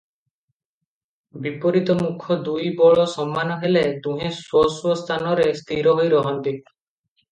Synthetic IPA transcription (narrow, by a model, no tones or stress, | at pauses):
bipɔɾit̪ɔmukʰɔd̪ujbɔɭɔsɔmːanɔɦelet̪ũɦẽswɔswɔst̪ʰanɔɾest̪ʰiɾɔɦojɾɔɦɔnt̪i